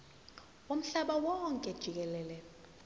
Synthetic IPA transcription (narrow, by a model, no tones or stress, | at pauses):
om̩ɬaɓawɔŋkʼɛd̥ʒ̥ʱik̬ɛlɛːlɛ